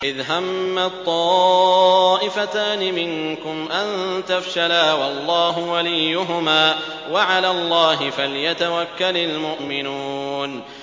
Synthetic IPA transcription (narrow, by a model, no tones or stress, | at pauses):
ʔɪðɦamːat̪ˤːɑː | ʔɪfat̪aːnɪmɪŋkʊmʔant̪afʃalaːwɑlˤːɑːɦʊwalɪjːʊɦʊmaː | waʕalaːlˤːɑːɦɪfalɪjat̪awakːalalmʊʔmɪnuːn